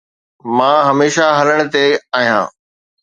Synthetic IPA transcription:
mãːɦɐmeːʃaɦɐləɽ̃̆t̪eaːɦijã̰ː

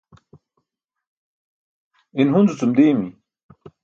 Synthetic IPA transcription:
inɦunzut͡sumd̪eːmi

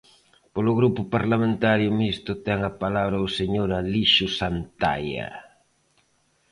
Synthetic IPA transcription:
polʊɣɾupʊpaɾlamẽnt̪aɾjʊmist̪ʊt̪ɛŋɐpalaβɾɐʊseɲoɾaliʃʊsant̪a̰jɐ̰

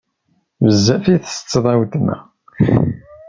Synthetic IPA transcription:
vəzːæfiθst͡sːðˤɑwt̪næ̰

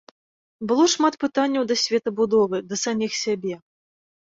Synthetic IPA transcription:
bɨlˠɔʂmat̪pɨt̪anʲːɐwd̪ɐsʲvʲɛt̪ɐbud̪ɔvɨd̪ɐsamʲixsʲabʲɛ

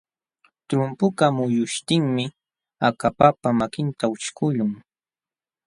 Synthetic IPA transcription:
t̪ɾʊmpʊkamʊjʊʃt̪ɪŋmɪ | akapapamakɪnt̪aʊt͡ʃkʊʎʊŋ

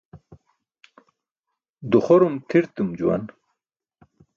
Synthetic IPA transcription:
d̪uχoɾumt̪ʰiɾt̪umd͡ʑuwa̰n

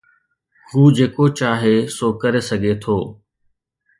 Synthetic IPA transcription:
huːd͡ʑeːkot͡ɕaːɦesoːkɐɾesɐɡʱet̪ʰoː

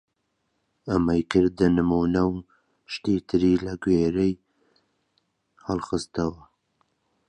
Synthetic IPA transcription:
ɐmɐjkʰɨɾd̪ɨnɨmuːnɐw | ʃt̪iːt̪ʰɨɾiːlɐɡweːɾej | hɨlˠxɨst̪ɐwɐ

